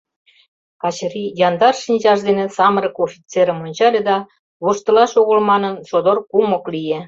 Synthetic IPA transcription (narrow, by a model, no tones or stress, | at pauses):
kɑt͡ɕrijɑnd̪ɑrʃinʲʑɑʃd̪enĕsɑməɾə̆kofʲit͡seɾə̆monʲt͡ɕɑlʲĕd̪ɑ | βoʃt̪ɤ̆lɑʃoɣə̆lmɑnɤ̆nʃod̪orkumŏklije